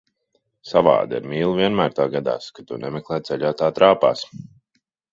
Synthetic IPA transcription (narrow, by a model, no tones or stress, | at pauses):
sava̰ːd̪aḭɾmiːlˠuviɛnmæːɾt̪aːɡad̪a̰ːskat̪unɛmɛklˠɛːt̪t̪sɛʎʲaːt̪aːt̪ɾaːpa̰ːs